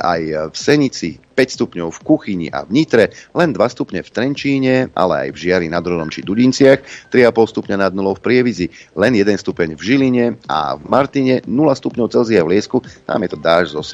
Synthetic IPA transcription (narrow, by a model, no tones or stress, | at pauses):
a̰jfsɛɲit͡sipɛcst̪upɲɔʊfkuxiɲḭʔa̰vɲit̪ɾɛlɛnd̪ʋast̪upɲɛft̪ɾɛnt͡ʃiːɲɛʔa̰lɛa̰jvʒɪaɾinad̪ɾɔd̪ɔmt͡ʃid̪uɟint͡sɪaxt̪ɾiapɔlst̪upɲanad̪̚nulɔʊfpɾɪɛʋizilɛnjɛd̪ɛnst̪upɛɲvʒiliɲɛa̰vmaɾt̪iɲɛnulast̪upɲɔʊt͡sɛlziavlɪɛskut̪a̰ːmjɛt̪ɔd̪aːʒzɔs